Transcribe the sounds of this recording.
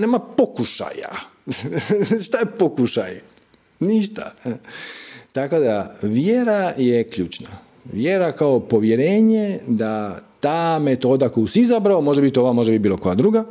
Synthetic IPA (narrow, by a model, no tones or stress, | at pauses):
neːmapokuʃa̰ja̰ | ʃt̪ajepokuʃaj | niʃt̪a̰ | t̪ako̞d̪aʋjeɾaje̞kʎuːt͡ʃna | ʋjeɾakao̞po̞ʋje̞ɾe̞ːɲe̞d̪at̪aːmet̪o̞ːd̪akojuseizabɾaomo̞ʒeabit̪ooʋamo̞ʒabibiːlo̞ko̞jad̪ɾuɡa